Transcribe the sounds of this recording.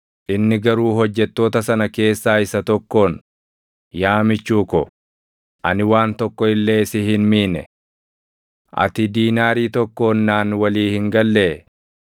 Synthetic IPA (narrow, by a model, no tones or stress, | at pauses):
ʔɪnːɪɡɐɾuːɦɔd͡ʒːɛt̪ːo̞ːt̪ɐsɐnɐke̞ːsːaːɪsɐt̪ɔkːo̞ːn | jaːmɪt͡ʃːuːkɔ | ʔɐ̰nɪwaːnt̪ɔkːɔɪlːe̞ːsɪhɪnmiːnɛ̰ | ʔɐ̰t̪ɪd̪iːnaːɾiːt̪ɔkːo̞ːnːaːnwɐliːhɪŋɡɐlːeː